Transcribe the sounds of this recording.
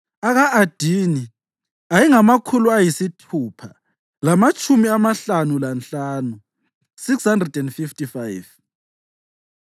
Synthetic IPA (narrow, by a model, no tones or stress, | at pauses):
aɣaʔad̥ʱiːni | ajiŋamakʰuluajisitʰuːpʰa | lamat͡ʃʼumiamaɬanulant͡ɬaːnu | sikshandrɛdɛndfiftʼifajv